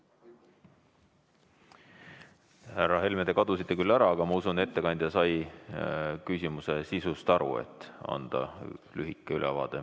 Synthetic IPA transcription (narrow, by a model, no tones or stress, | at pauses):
hærɑɦe̞lmed̪̥e̞kɑd̪̥usit̪ːekylːæɾɑɑɡ̥ɑmɑusunet̪ːe̞kɑnʲd̪ʲjɑsɑj | kysʲimuse̞sisust̪ɑɾṵḛt̪ːˑɑ̰nd̪̥ɑ̰lyɦikːˑeylʔɛ̰vɑ̰ːd̪̥e̞